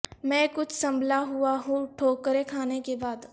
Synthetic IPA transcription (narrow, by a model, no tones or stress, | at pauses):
mɛ̃ːkʊt͡ʃʰsɐ̃mbʱlaɦʊaɦũʈʰoːkəɾekʰaːnekebaːd̪